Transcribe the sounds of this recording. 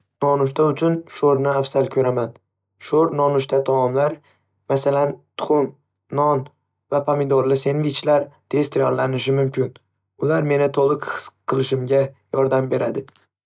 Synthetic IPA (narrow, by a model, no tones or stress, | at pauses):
nɒnʊʃ̬t̪ʰaʊt͡ʃʰʊnʃoɾnɪafsalkʲʰɵɾaman | ʃoɾnɒnʊʃt̪ʰat̪ʰamɒmlaɾ | masalant̪ʰʊ̥χʊn | nɒn | vapʰamɪd̪oɾlɪse̞nvɪt͡ʃʰlaɾt̪ʰe̞zt̪ʰajɒɾlanɪʃɪmʊmkʰʲɪn | ʊlaɾme̞nɪt̪ʰolˠɨkχɨ̥sqʰːɨlˠɪʃɪmɡʲajɒɾd̪ambe̞ɾad̪ɪ